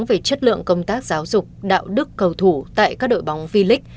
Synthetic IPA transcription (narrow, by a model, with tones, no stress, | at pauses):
ŋve˨˩t͡ɕə˦˥t̚lɨ̰˧˨əŋkə˧wŋ͡mt̪aː˦˥k̚zaː˨˦wzʊ˨˩k͡p̚ɗa̰ː˧˨wɗɨ˦˥kːə˨˩wt̪ʰu˧˩t̪a̰ː˧˨jkaː˦˥k̚ɗo̰˧˨jɓa˨˦wŋ͡mvi˧lï˦˥k̚